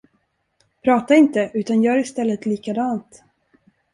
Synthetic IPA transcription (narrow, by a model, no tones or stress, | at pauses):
pʰɾɑːt̪aɪnt̪əʔʉ̟ːt̪anjœːɾɪst̪ɛlːət̪liːkad̪ɑːnt̪